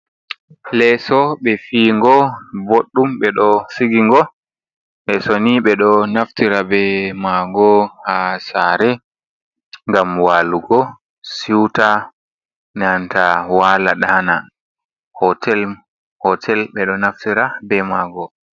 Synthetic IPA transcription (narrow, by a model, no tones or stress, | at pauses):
lɛsɔɓɛfiːŋɡɔboɗːumɓɛɗɔsiɡiŋɡɔ | ɓɛsoniɓɛɗɔnaftiɾabɛmaɡɔhasaɾɛ | ŋɡamwaːluɡɔ | siwta | nantawaːlaɗana | hɔtɛl | hɔtʰɛlɓɛɗɔnaftiɾabɛmaːɡɔ